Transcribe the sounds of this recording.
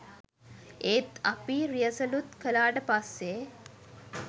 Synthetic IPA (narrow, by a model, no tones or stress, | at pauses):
eːt̪apiːɾijəsəlut̪kəlaːʈəpasːe